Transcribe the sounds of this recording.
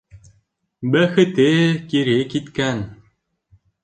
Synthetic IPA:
bæxɘ̆t̪ekiɾekit̪kæn

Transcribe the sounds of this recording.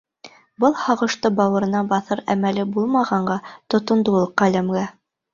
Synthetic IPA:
bɤlˠhɑʁɤ̆ʃt̪ɤbɑwɤ̆ɾɤ̆nɑbɑθɤɾæ̰mælɘbulˠmɑʁɑɴɢɑt̪ŏt̪ŏnd̪ulˠɤqːælæmɡæ

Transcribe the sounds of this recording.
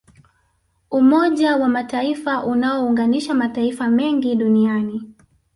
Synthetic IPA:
umɔʄawamataifaʔunaɔuŋɡaniʃamataifamɛŋɡiɗuniani

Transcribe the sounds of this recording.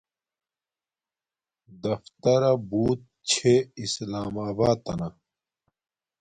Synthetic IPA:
d̪ɐft̪ɐɾɐbuːt̪̚t͡ɕʰeislaːmaːbaːt̪ɐnɐ

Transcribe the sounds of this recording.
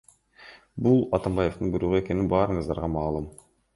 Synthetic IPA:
bulˠɑt̪ɑmbɑje̞ft̪ɯnbujɾuʁue̞ke̞ninbɑːɾɯɴɯzd̪ɑ̰ɾʁɑmɑːlˠum

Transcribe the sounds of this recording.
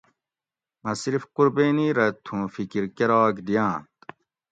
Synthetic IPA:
mɐsɾifquɾbeːniɾɐt̪ʰũːfikiɾkeɾaːkd̪ijãːt̪

